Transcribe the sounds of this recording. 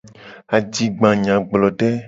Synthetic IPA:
a˨d͡ʒi˨ɡ͡bã˨ɲã˨ɡ͡blɔ˨ɖɛ˦

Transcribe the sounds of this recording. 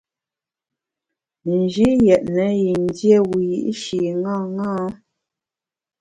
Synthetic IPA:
mə˨n˨d͡ʒi˦jɛ˨ʔnə˨˦ji˨n˦dje˦˨wu˨jḭ˦ʔʃi˨ŋãː˦˨ŋãː˦

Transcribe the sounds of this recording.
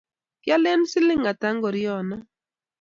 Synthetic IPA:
kja˦lɛ˦nsɪ˦lɪ˦ŋa˨ta˦ŋɡɔ˨ɾɪ˦ɔ˨na˦

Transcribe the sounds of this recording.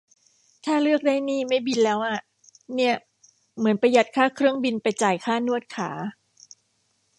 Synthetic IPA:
t̪ʰaː˥˩lɯ˥˩ək̚daː˥˩jniː˥˩ma˥˩jbi˧nlɛː˦˥wʔa˨˩ | ni˥˩ɐə | mɯ˩˦ənpa˧ja˨˩t̪̚kʰaː˥˩kʰɾɯ˥˩əŋbi˧npa˧jt͡ɕaː˨˩jkʰaː˥˩nu˥˩ət̪̚kʰaː˩˦

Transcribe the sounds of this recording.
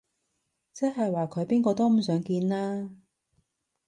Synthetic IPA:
t͡sɛ˥ɦɐ˨jwaː˨kʰɵ˨˧ɥpiː˥nkɔː˧t̪o˥wm̩˨˩sœː˨˥ŋkiː˧nlaː˥

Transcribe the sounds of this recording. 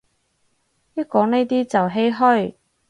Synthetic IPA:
jɐ˥t̚kɔː˨˥ŋne˥jt̪iː˥t͡sɐ˨wɦe˥jɦɔ˥˩ɥ

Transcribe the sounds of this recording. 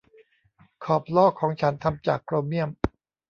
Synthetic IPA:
kʰɔː˨˩p̚lɔː˥˩kʰːɔː˩˦ŋt͡ɕʰa˦˥nt̪ʰa˧mt͡ɕa̰ː˨˩kːɾoː˧mni˥˩əm

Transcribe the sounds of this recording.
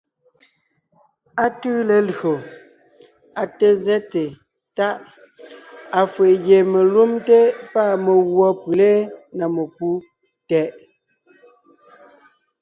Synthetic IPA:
a˦tʉː˦le˨lɰo˨ | a˨te˨zɛ˦te˨ | ta˦ʔ | a˨fwe˨ʔɣje˨me˨lu˦mte˦pa˦˨me˨ɣwɔ˦pʉ˨le˦na˨me˨pu˦ | tɛ˨ʔ

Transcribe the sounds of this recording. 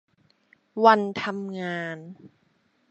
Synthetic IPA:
wa˧nt̪ʰa˧mŋaː˧n

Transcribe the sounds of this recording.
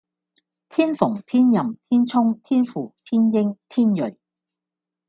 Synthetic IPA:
t̪ʰiː˥nfʊ˨˩ŋt̪ʰiː˥njɐ˨mt̪ʰiː˥nt͡sʰʊ˥ŋt̪ʰiː˥nfuː˨˩t̪ʰiː˥njɪ˥ŋt̪ʰiː˥njɵ˨˩ɥ

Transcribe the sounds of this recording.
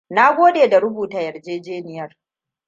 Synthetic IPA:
na˦ɡʷoː˦ɗeː˨da˨ɾʊ˦buː˨taː˨jɐ˨rd͡ʒeː˦d͡ʒeː˦nɪ˨jɐ˦r

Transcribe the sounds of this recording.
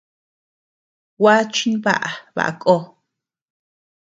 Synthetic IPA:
wa˦t͡ʃi˦nβa̰˦ʔa˨βa̰˨ʔa̰˨kʼo˦

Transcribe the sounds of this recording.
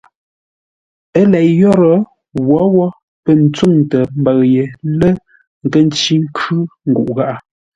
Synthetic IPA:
ə˦lɛ˨ʔjɔ˦ɾə˨˦ | ɣwɔ˨˦wɔ˦ | pə˦˨n̩˦t͡su˦˨ŋtə˨m̩˦ba˨ɣje˨lə˦ | ŋ̩˨kə˦˨n˦t͡ʃi˦ŋ̩˦kʰʉ˦ŋ̩˨ɡu˨ʔɣa˦ʔa˨

